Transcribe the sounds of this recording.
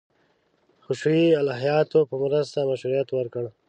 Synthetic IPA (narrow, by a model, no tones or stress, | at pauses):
xʊʃɽialɑɦijɑːt̪opəmɾəst̪amaʃuɾijat̪wəɾkəɽ